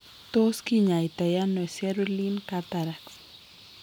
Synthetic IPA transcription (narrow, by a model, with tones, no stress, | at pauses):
t̪o˦skiɲa˨i˨t̪a˨ja˦nɔ˨ɛ˨sɛ˦ɾolinkat̪aɾaks